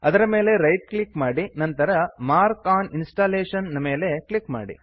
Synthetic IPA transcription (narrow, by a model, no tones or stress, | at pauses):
ɐd̪ɐɾɐme̞ːle̞ɾɐjʈ̚klikmaːɽinɐnt̪ɐɾɐmaːɾkaːninsʈaːleːʂɐnnɐme̞ːle̞klikma̰ːɽḭ